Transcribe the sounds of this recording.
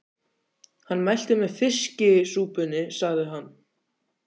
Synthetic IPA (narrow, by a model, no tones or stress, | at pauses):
hanːmajl̥t̪ɪmɛðfɪscɪsuːpʏnɪsaɣðɪɦanː